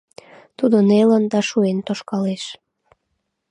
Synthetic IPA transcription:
t̪ud̪onelənd̪ɑʃuent̪oʃkɑleʃ

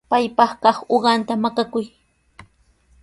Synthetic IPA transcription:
pajpɑχkɑχoɢɑnt̪amakakʊj

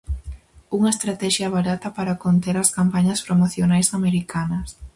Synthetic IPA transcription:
uŋɐest̪ɾat̪ɛʃjɐβaɾat̪ɐpaɾakont̪eɾɐskampaɲɐspɾomoθjonajsameɾikanɐs

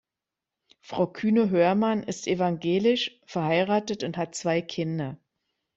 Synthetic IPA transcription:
fʁ̥aʊkʰyːnəɦøːɐmanɪstʔevaŋɡeːlɪʃ | fɛɐhaɪʁaːtətʊnthat̚t͡sv̥aɪkʰɪndɐ

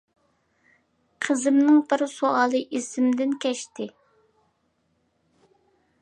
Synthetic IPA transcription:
qʰəzɨmnɪŋbɪɾsoɑːlˠɨʔisɪmd̪ɪnkʲʰɛʃt̪ɪ

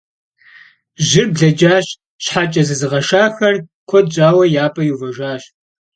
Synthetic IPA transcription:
ʒɪrbɮɐd͡ʒaːɕ | ɕħat͡ʃʼɐzɨzɨʁɐʂaːxɐrkʷʰɔd̚d͡ʒʼaːwɐjaːpʰʼɐjuvɐʒaːɕ

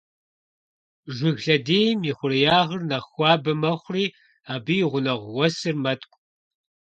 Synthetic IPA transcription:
ʒʷɪɣɬɐdiːjmiːχʷʊrɨjaːʁərnɐxʷɑːbɨmɐχʷriː | aːbɨjʁʷʊnɐʁʷwɐsɨrmɐtʼkʷʼ

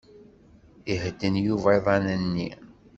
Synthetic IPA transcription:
ihd̪ənjuvajðˤɑnənːi

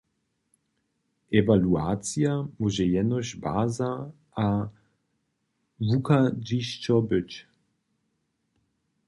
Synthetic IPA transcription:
ʔevaluaːt͡sjamuʒɛjɛnɔʃba̰ːza | a | vukad͡ʒiʃt͡ʃɔbɪt͡ʃ

